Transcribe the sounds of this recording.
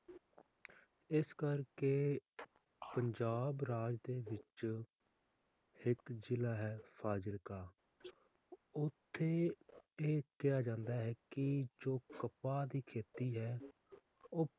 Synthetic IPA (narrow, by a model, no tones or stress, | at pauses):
ɪskəɾkeː | pəɲd͡ʒaːbɾaːd͡ʒd̪eːʋɪt͡ʃ | hɪkd͡ʒɪlaːɦɛːpʰaːd͡ʒəɾkaː | ʊt̪ʰːeːeːkɪjaːd͡ʒãːnd̪aːɦɛːkɪd͡ʒoːkəpaːd̪iːkʰeːt̪iːɦɛː | oː